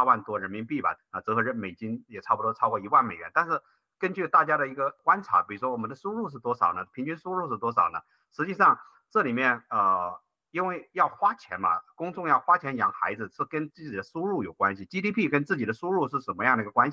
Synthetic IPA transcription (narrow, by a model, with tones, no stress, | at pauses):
wa˥˩nt̪wɔ˥ɻə˧˥nmi˧˥npi˥˩bɐ̰˩ə˧˩t͡s̩˧˥xɤ˧˥ɻə˥˩nme˨˩ɪt͡ɕi˥ŋjɛ˨˩ʈ͡ʂʰpu˧t̪wɔ˥˧ʈ͡ʂʰɑ˥ʊkwɔ˥˩i˧˥wa˥˩nme˨˩ɪɥɛ˧˥nt̪a˥˧nʂɻ̩˥˩ | kə˥nt͡ɕy˥˧t̪a˥˩t͡ɕja˥ɾə˨i˧˥ɡə˧kwa˥nʈ͡ʂʰa̰˧˥pi˨˩ɻu˧˥ʂwɔ˥wɔ˨˩m˧˦nd̪ə˧ʂu˥ɻu˥˧ʂ̬ɻ̩˥˩t̪wɔ˥ʂɑ˨˩ʊnə˦pʰi˧˥ŋt͡ɕy˥nʂu˥ɻu˥˧ʂɻ̩˥˩t̪wɔ˥ʂɑ˨˩ʊnə˦ | ʂɻ̩˧˥t͡ɕi˥˧ʂɑ˥˧ŋ | ʈ͡ʂɤ˥˩li˨˩mjɛ˥˩nə˧ | i˥nwe˥˩ɪjɑ˥˩ʊxwa˥t͡ɕʰjɛ̰˧˥nbɐ̰˧kʊ˥ŋʈ͡ʂʊ˥˧ŋjɑ˥˩ʊxwa˥t͡ɕʰjɛ˧˥njɑ̰˨˩ŋxa̰˧˥ɪd͡zɹ̩˧ʂɻ̩˥˩kə˥nt͡sɹ̩˥˩t͡ɕi˨˩d̪ə˦ʂu˥ɻu˥˩jo˨˩ʊkwa˥nɕi˨˩t͡ɕi˥t̪i˥pʰi˥˩kə˥nt͡sɹ̩˥˩t͡ɕi˨˩ə˦ʂu˥ɻu˥˧ʂɻ̩˥˩ʂə˧˥nmə˦jɑ˥˩ŋd̪ə˩i˧˥ɡə˧kwa˥nɕ